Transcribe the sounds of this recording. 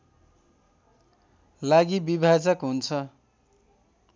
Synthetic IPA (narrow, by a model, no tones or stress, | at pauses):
laɡibibʱad͡zʌkɦunt͡sʰʌ